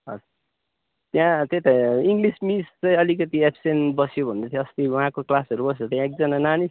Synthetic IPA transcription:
ʌ̰d͡zu | t̪jãt̪et̪aiŋɡlismist͡sʌj̃ʌlikʌt̪iepʰsenbʌsjobʱʌnet̪ʰj̃ʌst̪iwʌɦãkoklasʌɾubʌs̬jot̪jãek̚d͡zʌnananis

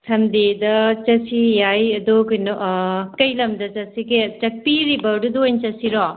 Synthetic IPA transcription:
sʰɐmd̪idɐt͡ʃɐsijajɐd̪okujnoʔkɐjlɐmdɐt͡ʃɐsiket͡ʃɐk̚piɾibɐdud̪ojnt͡ʃɐsiɾɔ

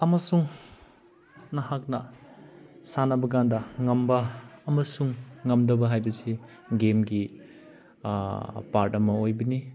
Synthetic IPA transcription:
ɐmɐsuŋ | nɐɦak̚nɐ | sanɐbɐɡandɐŋɐmbɐːmɐsuŋːɐmdɐbɐɦajbɐsi | ɡemɡi | paɾtɐmɐojbɐni

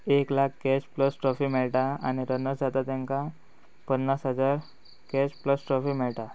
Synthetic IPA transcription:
eklakʰɡɛspləsʈɾɔfimɛɭʈaa̰ɽ̃iɾənəd͡zat̪at̪jãŋka | pənːasɦəd͡zaɾ | kɛspləsʈɾɔfimɛɭʈa

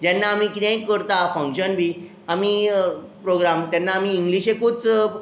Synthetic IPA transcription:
d͡ʑɛnːaːmikit̪ẽkəɾt̪afə̃ŋkɕənbʱiː | amipɾoɡɾamt̪janːaːmiːŋɡliɕekut͡s

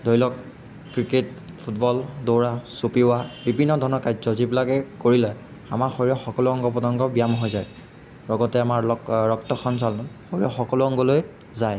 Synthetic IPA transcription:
dojlɔk | kːɹiket | pʰutbɔldowɹasopiʊwabibʱinːɔdʱɔnɔkajzɔzibilakɛkoɹilɛ | amaxoɹiɔxɔkɔluɔŋɡɔpɔtɔŋɡɔbijamɦojzaj | ɹɔɡɔtɛamaɹɹɔk̚tɔxɔnsalnxoɹiɔxɔkɔluɔŋɡɔloj | zaj

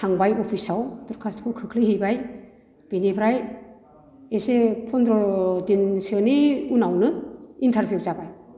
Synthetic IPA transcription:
sʰaŋbajɔpʰisawduɾkʰastkʰɯkʰɯkʰliɦijbaj | b̥inipʰɾaj | esepʰɔndɾɔdinsɯniunawnɯintʰaɾbjuzabaj

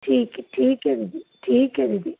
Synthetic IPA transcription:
ʈʰiːkʈʰiːkeɾid̪iʈʰiːkeɾid̪i

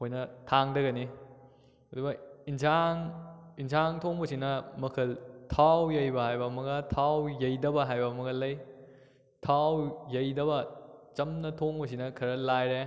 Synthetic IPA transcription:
hojnɐtʰaŋdɐɡɐni | ɐdubɐinsʰaŋinsʰaŋtʰoŋbɐsinɐmɐkʰɐltʰawjɐjbɐhajbɐmɐɡɐtʰawjɐjdɐbɐɦajbɐmɐkɐlɐj | tʰawjɐjdɐβɐt͡ʃɐmnɐtʰoŋbɐs̬inɐkʰɐɾɐlajɾe

